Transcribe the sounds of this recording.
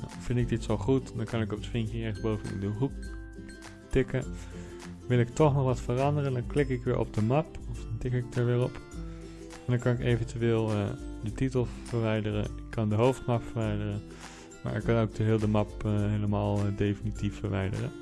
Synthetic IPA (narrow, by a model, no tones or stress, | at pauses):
fɪndɪɡ̚dɪtsolˠχutdɑnkɑnɪkɔpətfɪŋkjəɪχəsbowvənɪ̰ndəɦuk | tɪkə | ʋɪlˠɪk̚tɔχnɔχʋɑtfərɑndərəndɑnklɪkɪkʋɪ̰ːɹʔɔ̰b̚dəmɑpɔfdɑntɪkɪk̚dəɹʋɪːɹɔp | ɛndɑnkɑnɪkejvəntyʋeːlˠdətitəlˠfəɹʋɛjdərə̰nɪkʰːɑndəɦowftmɑpfəɹʋɛjdərən | ma̰ːɹɪkːɑnowɡ̚dəɦɪːlˠdəmɑpɦejləmaːlˠdejfinitifːəɹʋɛ̰jdə̰rə